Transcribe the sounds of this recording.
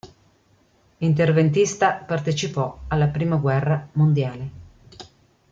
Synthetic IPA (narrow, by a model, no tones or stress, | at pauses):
int̪ervent̪̬ist̪apart̪et͡ʃipɔalːapɾiːmaɡwɛrːamond̪jaːle